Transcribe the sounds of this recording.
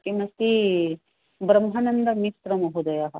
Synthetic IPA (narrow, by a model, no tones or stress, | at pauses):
kimɐst̪i | bɾɐmɦɐnɐnd̪ɐmisɾɐmɐɦud̪ɐjaɦɐ